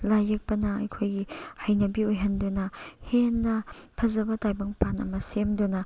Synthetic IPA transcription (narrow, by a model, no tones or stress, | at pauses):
lajɐk̚pɐnɐɐ̰jkʰojɡihɐjnɐbiojɦɐndunɐhenːɐpʰɐzɐbɐtajbɐŋpʰanɐ̰mɐsemdonɐ